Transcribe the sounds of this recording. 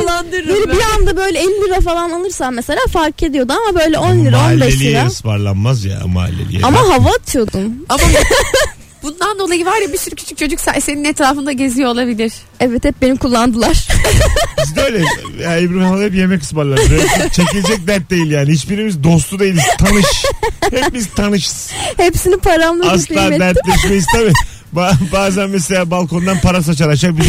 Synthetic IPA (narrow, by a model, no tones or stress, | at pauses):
lˠːand̪ɯɾbeɾibiand̪abø̞jlʲɛelʲːilʲiɾafalˠanalˠɯɾsamɛselʲaːfaɾkʰe̞d̪ijo̞d̪uamabø̞jlʲɛo̞nlʲiɾaolbɛeʃlʲiiɛaɯsba̰ɾlˠa̰nmazja̰maa̰lʲːḛlʲḭɛ̰amaɦavat̪ʰɯjo̞d̪umama | b̥und̪and̪o̞lˠajɯvaɾjabisyɾycʰy̥t͡ʃʰyc̚t͡ʃʰo̞d͡ʒykcsa̰se̞ninɛt̪ɾaːfɯnd̪aɟe̞zijo̞ːlˠabilʲiɾ̥ | ɛvːɛt̪ɛp̚be̞nimkʰulˠːand̪ɯlˠaɾ̥ | izøjlʲɛaebɾinalˠaɛpje̞mɛcʰɯ̥sbaɾlˠaɾɾt͡ʃʰecilʲed͡ʒɛc̚d̪æɾt̪̚d̪ejilʲjaːnihit͡ʃbiɾimizd̪o̞s̬t̪ʰud̪e̞jilʲizʰanɯʃhɛp̚bizt̪ʰanɯʃɯz̥hepsinipʰaɾamlˠaslˠaːd̪æɾt̪lʲɛʃmejizt̪ʰabi | babaːzænmɛs̬elʲaːbalˠkʰo̞nd̪anpʰaɾas̬at͡ʃaɾaʃak̚bi